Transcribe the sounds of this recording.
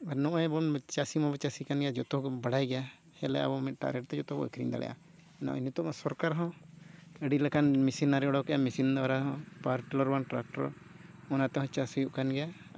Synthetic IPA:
panɔ̃ʔɔjbɔnt͡ʃasimɔbɔt͡ʃasikanɡɛjad͡ʒɔt̪ɔkbaɽajɡɛja | hɛlɛ̰ʔa̰bɔmɛʈa̰ɾɡɛʈ̚t̪ɛd͡ʒɔt̪ɔbɔ̰ə̰kɾiŋd̪a̰lɛ̰ja̰ | ɛnaʔinit̪ɔmɔsɔɾkaɾɦɔ̃ | əɖilakanmisinaɾiɔɽɔkɛamisind̪ɔɾaɦɔ̃paɾʈilɔɾwanʈɾak̚ʈɔɾ̰ | ɔnat̪ɛɦɔ̃t͡ʃasujuʔkanɡɛja

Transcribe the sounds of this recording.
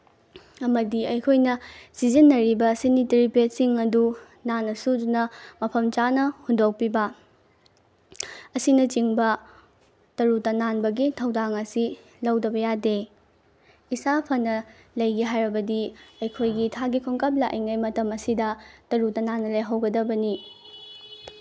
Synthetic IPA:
ɐmɐdiɐjkʰojnɐsizinːɐɾibɐsinitɾipesiŋɐdu | nanɐsudunɐmɐpʰɐmt͡ʃanɐhundok̚pibɐ | ɐsinɐt͡ʃiŋbɐ | tɐɾutɐnanbɐɡitʰɐwdaŋɐsi | lɐwdɐbɐjade | isapʰɐnːɐ | lɐjɡiɦajɾɐbɐdiɐjkʰojɡitʰaɡikʰoŋkɐp̬̚lɐʔɐ̰jŋɐjmɐtɐmɐsidɐtɐɾutɐnanːɐlɐjɦɐwɡɐdɐbɐni

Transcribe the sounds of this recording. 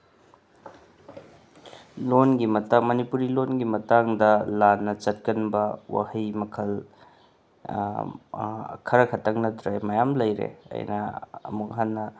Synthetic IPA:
lonɡimɐtamɐnipuɾilonɡimɐtaŋdɐlanːɐt͡ʃɐt̚kɐnbɐwa̰hɐjmɐkʰɐl | kʰɐɾɐkʰɐtʰɐŋnɐtɾemɐjamlɐjɾḛɐ̰jnɐ̰ɐ̰muk̚ɦanːɐ

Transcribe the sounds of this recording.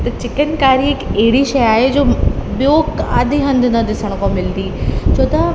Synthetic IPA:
t̪ɐt͡ɕɪkənkaːɾiɪkeɦɪɽiʃɐjaːɦed͡ʑoːbjokaːd̪ʱiɦɐ̃nd̪ʱnɐd̪ɪsəɽ̃kõmɪld̪iːt͡ɕʰoːt̪a

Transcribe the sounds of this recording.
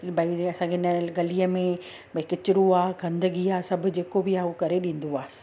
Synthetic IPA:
bɐĩɐsãkʰeɪnəɡɐliəmẽ | bɐkɪt͡ɕɪɾuaːɦɡɐ̃nd̪əɡiaːsɐbʱʊ̆d͡ʑeːkobɪaːɦukɐɾeɗĩːn̆d̪oḁː

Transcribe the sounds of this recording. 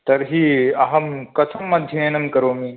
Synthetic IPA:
t̪ɐɾɦiɐɦɐmkɐtʰɐmːɐd̪ʱjɐenɐmkɐɾoːmi

